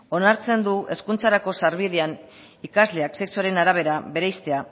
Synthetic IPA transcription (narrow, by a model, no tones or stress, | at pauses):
o̞naɾt͡se̞nd̪uʔe̞skunt͡saɾako̞saɾβiðean | ikazle̞akse̞ksuaɾe̞naɾaβ̞e̞ɾaβe̞ɾejst̪e̞a